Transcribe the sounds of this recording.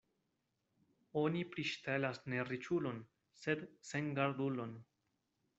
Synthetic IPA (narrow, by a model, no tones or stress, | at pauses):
o̞nipɾiʃtelasne̞ɾit͡ʃulo̞n | sedseŋɡaɾdulo̞n